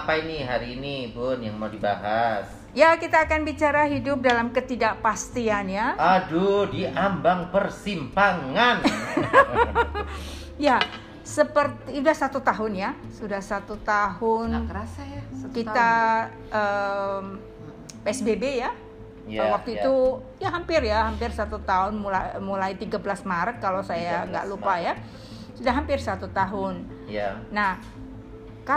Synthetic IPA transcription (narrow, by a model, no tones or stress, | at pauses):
apainiɦaɾiːnipʊnjaŋmawdiba̰ɦas | jakit̪aːkanbit͡ʃaɾaɦidʊp̚dalamkət̪idaʔpast̪ianjaadudiʔambaŋpərsimpaŋan | ja | səpərt̪isudahsat̪ut̪aɦʊnja | sudahsat̪ut̪aɦʊnk | kit̪a | ʔə | peɛsbebeja | awak̚t̪uit̪u | jaɦampɪrjahampɪrsat̪ut̪aɦʊnmuamulajt̪iɡablasmaɾət̪̚kalosajaŋɡa̰ʔlupaja | sudahɦampɪrsat̪ut̪aɦʊnː | ah | ka